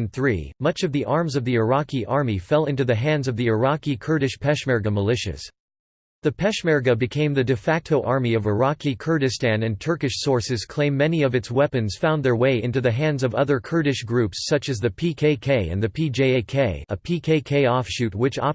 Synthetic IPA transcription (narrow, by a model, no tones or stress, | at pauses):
nθɹḭmʌt͡ʃʌvðiʔɑɹmzʌvðiə˞ɑkiʔɑɹmifɛlˠɪ̃ntʉðɨɦæ̃ndzʌvðiə˞ɑkikʰɜ˞ɾɨʃpʰɛʃmɛɹɡɨməlɪʃɨ̰s | ðɨpʰɛʃmɛɹɡɨbɨkʰẽɪ̃mðɨdɨfæk̚tʰoʊʔɑɹmiʌvə˞ɑkikʰɜ˞ɾɨstæ̃nɨ̃ntʰɜ˞kɨʃsɔɹsɨz̥kʰl̥ẽɪ̃mːɛniʌvɨtswɛpɨ̃nz̥fãʊ̃nðə˞weɪɪ̃ntʉðɨɦæ̃ndzʌvʌðə˞kʰɜ˞ɾɨʃɡ̥ɹʉpsʌt͡ʃɨzðɨpʰikʰeɪkʰeɪɨ̰̃nðɨpʰid͡ʒeɪeɪkʰeɪəpʰikʰeɪkʰeɪɔfʃʉt̚wɨt͡ʃɑ̰